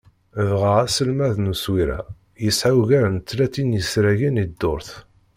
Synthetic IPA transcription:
vʁəʁæsəlmæðnuswiɾæ̰ | jəsʕawʝæɾənt̪ːlæt̪ːinjəsɾæʝinid̪ːʊɾθ

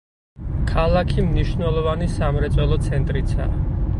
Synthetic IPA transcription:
kʰalˠakʰimniʃvnɛlˠɔvanisamɾɛt̪sʼwɛlˠɔt̪sʰɛnt̪ʼɾit̪sʰa̰ː

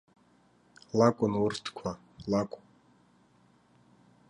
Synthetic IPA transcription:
lakʷʼʊnwʊrt̪ʰkʷʰa | lakʷʼ

